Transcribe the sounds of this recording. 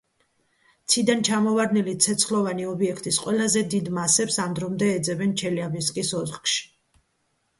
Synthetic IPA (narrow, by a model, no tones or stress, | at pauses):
t̪sʰid̪ant͡ʃʰamɔvaɾnilit̪sʰɛt̪sχlˠɔvaniɔbiɛkʰt̪ʼisqʼwɛlˠazɛd̪id̪masɛpsamd̪ɾɔmd̪ɛːd̪zɛbɛnt͡ʃʰɛliabiskʼisɔzχkʃi̥